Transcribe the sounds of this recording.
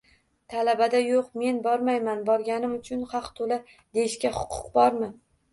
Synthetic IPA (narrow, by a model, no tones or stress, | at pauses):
t̪ʰalabad̪ajoqme̞nbɒɾmajmanbɒɾɡʲanɪmʊt͡ʃʰʊnχɑqt̪ʰola | d̪̥ejɪʃkʲaχʊ̥qʰʊ̥̰qbɒɾmɪ